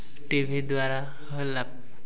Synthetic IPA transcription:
ʈibʱid̪ʊwaɹa | hojlab̚

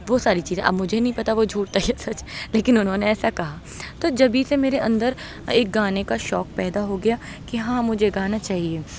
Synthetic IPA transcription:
ʋosaːɾit͡ʃiːzẽʔɐ̰bmʊd͡ʒʱenɐɦĩpɐt̪aʋod͡ʒʱuːʈ̚t̪aɛsɐt͡ʃleːkɪnʊnɦõneɛːsakɐɦa | t̪od͡ʒɐbʱisemeːɾeʔɐ̰̃nd̪əɾ | eːk̚ɡaːnekaʃɔːk̚pɛːd̪aɦoɡɐja | kiɦãːmʊd͡ʒʱeɡaːnat͡ʃaːɦieː

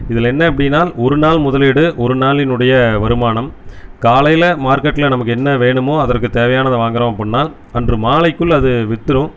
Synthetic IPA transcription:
ɪðɪlɛnːɐɐpːɐɽɪnaːlɔɾɯnaːlmʊðɐlɪɽɯʔɔɾɯnaːlɪnɯɽɐjɐʋɐɾɯmaːɳɐmkaːlɐjlɐmaːɾkɐʈːɪlɐnɐmɐkːɯɛnːɐʋeːɳɯmoːɐðɐɾkːɯt̪eːʋɐjaːnɐðɯʋaːŋɡɐɾõːmɐpːɐnːaːl | ɐndrɯmaːlɐɪkːɯɭɐðɯʋɪt̪ːɯɾɯ̃

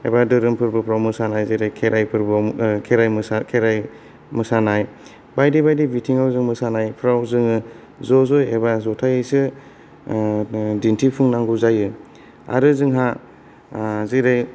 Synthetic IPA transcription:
ebadɯɾɯmpʰɯɾbɯpʰɾawmɯsanajziɾɯjkʰeɾajpʰɯɾbkʰeɾajmakʰeɾaj | mɯsanaj | bajdibajdibitʰiŋawzɯŋmɯsanajpʰɾawzɯŋɯ | zɔzɔjebazɔtʰajɯsɯ | dintʰipʰuŋnaŋɡuzajɯ | a̰ɾɯzɯŋɦa | zɯɾɯj

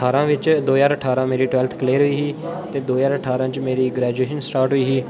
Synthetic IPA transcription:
aːɾãːʋɪt͡ʃd̪oːjaːɾəʈʰaːɾãːmeːɾiːʈwɛːlt̪ʰkleːɾɦʊiːɦiːt̪eːd̪oːzaːɾəʈʰaːɾãːt͡ʃmeːɾiːɡɾɛːd͡ʒueːʃənsʈaːɾʈɦʊiːɦiː

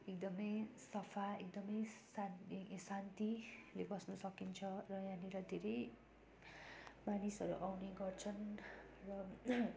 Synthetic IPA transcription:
ek̚d̪ʌmʌjsʌpʰaek̚d̪ʌmʌjsasant̪ilebʌsnʌsʌkint͡sʰʌrʌjãniɾʌd̪ʱeɾʌj | manisʌɾṵʔawneɡʌrt͡sʰʌnrʌ

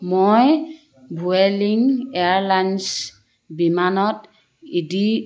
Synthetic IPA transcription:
moj | bʱueliŋɛaɹlans | bimanɔt | idi

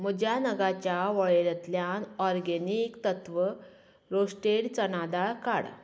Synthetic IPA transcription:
m̤əd͡ʑjanəɡat͡ɕjaʋəɭelət̪ljanɔɾɡenikt̪ət̪ʋə | ɾosʈeɽt͡sənad̪aɭka̰ɽ

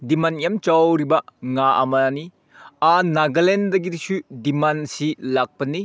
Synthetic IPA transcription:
dimanijɐmt͡ʃawɾibɐŋaʔɐ̰mɐni | anaɡɐlendɐɡiɾisudimansilak̚pɐni

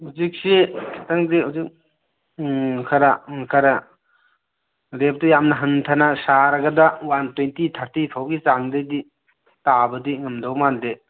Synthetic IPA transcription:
huzik̚sekʰataŋzeɦuzik | kʰaɾakʰaɾa | ɾep̚tɐjamnɐɦɐntʰanasaɾɐɡɐdawantwentit̪ʰaɾtitʰawɡit͡ʃaŋdejdi | tabɐdiŋɐmdawmande

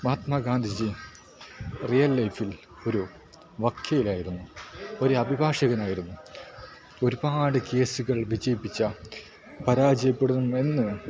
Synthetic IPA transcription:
mɐt̪maɡaːnd̪ʱid͡ʑi | rijɐlːɐjfil | o̞ɾu | ʋɐkʰjɐjilaːjiɾunːuo̞ɾuɐbʱibʱaːʂɐɣɐnaːjiɾunːu | o̞ɾubaːɽɨke̞ːsuɣɐɭʋid͡ʑɐjipːit͡ɕːɐ | pɐɾaːd͡ʑɐjɐpːeɽuðume̞nːɨ

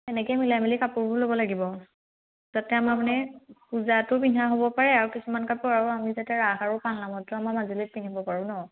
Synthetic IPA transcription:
tɛnɛkɔjmilamilikapʊɹbʊlobɔlaɡibɔ | zatɛamapnɛkuzatʊbinaɦobɔpaɹɛaɹukisumankapʊɹaɹuamizatɛɹaxaɹʊpanlamɔtɔamamazilit̚tiniɦbɔpaɹʊ̃nɔ

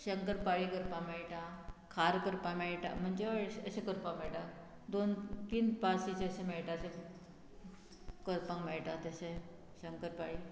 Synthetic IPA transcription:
ɕəŋkəɾpaɭikəɾpãmɛɭʈakʰaɾkəɾpãmeɭʈa̰m̤əɳd͡zeəəɕẽkəɾpãŋmeɭʈa | d̪ont̪iːnpasit͡seəɕẽmeɭʈat͡se | kəɾpãŋmeɭʈat̪əɕẽ | ɕəŋkəɾpaɭiː

